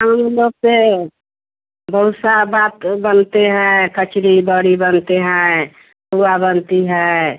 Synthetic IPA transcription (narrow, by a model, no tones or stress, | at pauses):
ɦəmləbse | bʱəʋsabat̪bənt̪eɦɛ̃kət͡ʃɾibəɽibənt̪eɦɛ̃ | puwabənt̪iɦɛ